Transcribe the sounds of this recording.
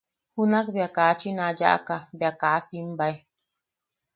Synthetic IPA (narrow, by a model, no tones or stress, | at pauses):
hunak̚bjakat͡ʃinad͡ʒa̰ʔa̰kabjakaːsimbaj